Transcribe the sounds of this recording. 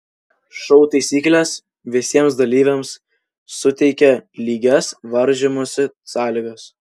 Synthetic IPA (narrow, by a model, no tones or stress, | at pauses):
ʃɔʊt̪ɐɪsʲiːklʲɛs | ʋʲɪsʲiɛmsd̪ɐlʲiːʋʲemsː | ʊt̪ʲɛɪkʲɛlʲiːɡʲɛsʋɐɾʲʒʲemoːsʲɪ | sɑːlʲɪɡɐs